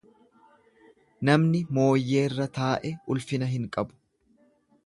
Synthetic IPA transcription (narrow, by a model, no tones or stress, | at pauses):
nɐmnɪmo̞ːjːe̞ːrːɐt̪aːʔɛʊlfɪnɐɦɪŋkʼɐbʊ̥